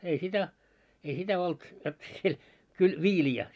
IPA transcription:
ei sitæ ei sitæ olt jot siel kyl ʋiːliæ

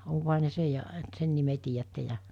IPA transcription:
oŋkohɑ ne sej jɑ et sen nime tiːjætːe jɑ

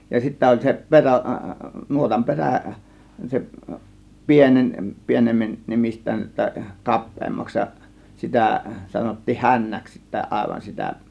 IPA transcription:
jɑ sitːæ olʲ se peræ nuotɑm peræˑ se pienenʲ pieneme nemistˑæːn tːɑ̟ kɑpˑeːmːɑks jɑ sitæˑ sɑnotːiːh hænːæks sitːæ ɑˑe̝ʋɑn sitæ

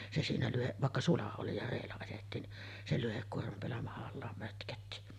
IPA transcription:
se siːnæ lyhe ʋɑˑekːɑ sulɑ oli jɑ reːlːæ ɑjetːiːn ni se lyhekːuormɑm peælːæ mɑhɑlːɑːm møtkøtːi

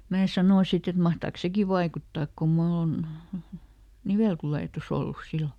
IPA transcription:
mæː sɑnoˑ sit et mɑhtɑːks seki ʋɑikutːɑːk kum mulː on niʋeˑltuleˑtus olːus silːo

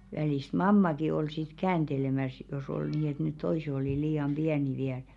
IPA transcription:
ʋæliˑst mɑmːɑki ol sit kæːnd̥elemæs jos ol niː et net toise oliˑ liːɑm b̥iæni ʋiæl

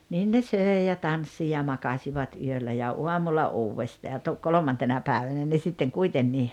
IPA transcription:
niːn ne søˑi̞ jɑ tɑnsːi jɑ mɑkɑsʲiʋɑt yølːæ jɑ uɑmulːɑ uːwʋestɑː jɑ tu kolomɑntenɑ pæːʋænæ ne sitːeŋ kuitenːiː

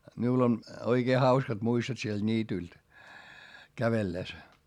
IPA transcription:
miul on oikeː hɑuskɑt muistot sield̥ niːtylt kæʋelːes

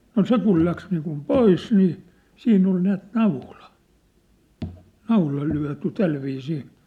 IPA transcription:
no se kul læks niːkum pois niː siːnː ol næːt nɑulɑ nɑulɑ lyæ̝ty tælʋiːsiː

